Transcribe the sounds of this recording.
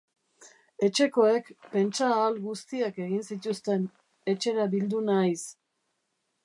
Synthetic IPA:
e̞t͡ʃe̞ko̞e̞kpe̞nt͡ʃaːlɣust̪iake̞ɣinsit̪ust̪e̞n | e̞t͡ʃe̞ɾaβild̪unajs

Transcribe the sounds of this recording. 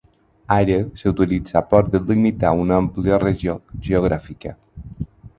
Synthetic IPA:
aɾəsəut̪ilid͡zapɔɾd̪əlimit̪aunəmpliəreʒoʒeoɣ̞ɾʔafikə

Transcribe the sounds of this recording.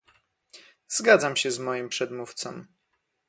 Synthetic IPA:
zɡad̪zamɕɛzmɔjimpʂɛd̪muft̪sɔ̰m

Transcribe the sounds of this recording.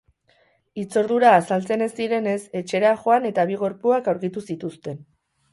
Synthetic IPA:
it͡so̞ɾðuɾaːsalt͡se̞ne̞sd̪iɾe̞ne̞se̞t͡ʃe̞ɾaʝo̞ane̞t̪aβ̞iɣ̞o̞ɾpuakawɾkit̪usit̪ust̪e̞n

